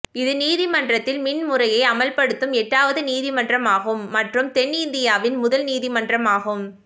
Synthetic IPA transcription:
ɪðɯniːðɪmɐndrɐt̪ːɪlmɪnmʊrɐjɐɪɐmɐlpɐɽɯt̪ːɯmɛʈːaːʋɐðɯniːðɪmɐndrɐmaːɣɯmːɐʈrɯmt̪ɛnɪnd̪ɪjaːʋɪnmʊðɐlniːðɪmɐndrɐmaːɣɯm

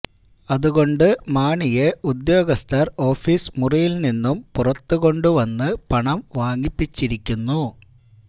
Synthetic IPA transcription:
ɐðuɣo̞ɳɖɨmaːɳijeud̪jo̞ːɡɐst̪ɐro̞ːfiːsmurijilninːumpurɐt̪ːuɣo̞ɳɖuʋɐnːɨpɐɳɐmʋaːŋipːit͡ɕːiɾikʲːunːu

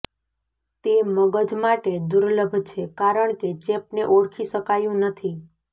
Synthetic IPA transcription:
t̪eməɡəd͡ʒmaʈed̪uɾləbʱt͡ʃʰekaɾəɳket͡ʃepneʔoɽkʰiʃəkajũnət̪ʰi

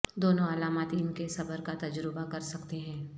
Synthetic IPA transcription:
d̪oːnõɐlaːmaːt̪ɪnkesɐbəɾkat̪ɐd͡ʒɾɪbakɐɾsɐkt̪eɦɛ̃ː

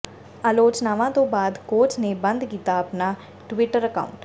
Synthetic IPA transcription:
aːloːt͡ʃnaːʋãːt̪õːbaːd̪koːt͡ʃneːbənd̪kiːt̪aːəpnaː | ʈʋɪʈəɾəka̰ːʊɳʈ

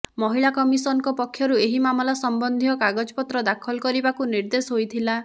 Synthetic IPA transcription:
mɔɦiɭakɔmisɔnɔŋkɔpɔkʰːjɔɾueɦimamɔlasɔmbɔnd̪ʱijɔkaɡɔd͡ʒɔpɔt̪ɾɔd̪akʰɔlɔkɔɾibakuniɾd̪esɔɦojt̪ʰila

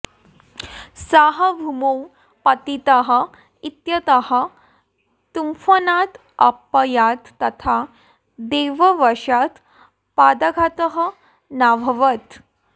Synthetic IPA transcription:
saɦəbʱumow | pɐt̪it̪əɦə | it̪jɐt̪əɦə | t̪umfənat̪ | ɐ̰pːəjat̪ːɐt̪ʰa | d̪eʋəʋəʂat̪ | pad̪əɡʱat̪əɦə | nabʱəʋət̪

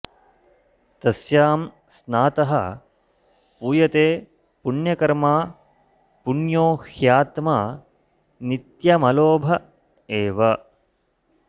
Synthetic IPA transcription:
t̪ɐsjaːm | snaːt̪ɐɦɐ | puːjɐt̪eː | puɳjɐkɐɾmaː | puɳjoːhjaːt̪maː | nit̪jɐmɐloːbʱɐ | eːʋɐ

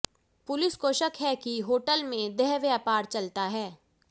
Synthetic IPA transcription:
pʊlɪskoʃəkɦɛkiɦoːʈəlmẽd̪ɛɦʋjapaːɾt͡ʃɐlt̪aɦɛː

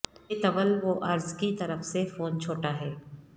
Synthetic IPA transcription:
et̪ɐʋəlʋoʔɐɾzkit̪ɐɾəfsefoːnt͡ʃʰoːʈaɦɛː

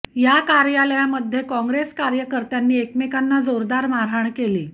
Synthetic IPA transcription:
jakaɾjaləjaməd̪ʱːjekɔ̃ŋɡɾeskaɾjəkəɾt̪janːiːekmikanːad͡zoɾd̪aɾmaɾaɳkeliː

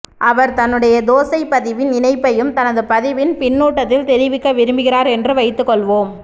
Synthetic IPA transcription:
ʔɐʋɐɾt̪ɐnːɯɽɐjɐd̪oːsɐɪpɐðɪʋɪnɪnɐɪpːɐjɯmt̪ɐnɐðɯpɐðɪʋɪnpɪnːuːʈːɐt̪ːɪlt̪ɛɾɪʋɪkːɐʋɪɾɯmbɯɣɪraːɾɛndrɯʋɐɪt̪ːɯkːɔɭʋoːm

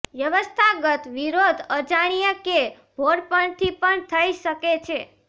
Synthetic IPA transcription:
ʋjəʋəst̪ʰaɡət̪ʋiɾod̪ʱəd͡ʒaɽ̃ijəke | bʱoɽpəɳt̪ʰipəɳt̪ʰəiʃəket͡ʃʰe

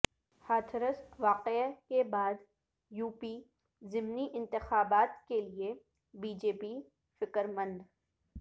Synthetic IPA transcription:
haːt̪ʰəɾəsʋaːqekebaːd̪ | juːpi | zɪmniʔɪ̃nt̪ɪxaːbaːt̪kelie | biːd͡ʒeːpi | fɪkəɾmə̃nd̪

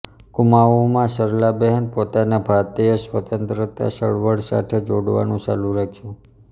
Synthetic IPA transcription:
kʊmaʋomãsəɾlabɛɦənpot̪anabʱat̪iesʋət̪ənt̪ɾət̪a̰ʃəɭʋəɽsa̰ʈʰed͡ʒoɽʋa̰nũt͡ʃa̰lũɾakʰjũ

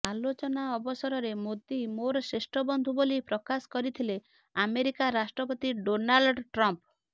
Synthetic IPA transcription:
alot͡ʃɔnaɔbɔsɔɾɔɾemod̪imoɾɔsɾesʈɾɔbɔnd̪ʱubolipɾɔkasɔ̥kɔɾit̪ʰile | ameɾikaɾasʈɾɔpɔt̪iɖonalɖʈɾɔmp

